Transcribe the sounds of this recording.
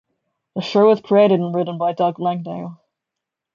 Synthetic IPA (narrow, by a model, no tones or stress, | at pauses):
ðəʃoʊɨz̥kʰɹ̥ieɪɾɨɾ̃n̩ɹɪʔn̩baɪdɑɡlæ̃ŋdeɪlˠ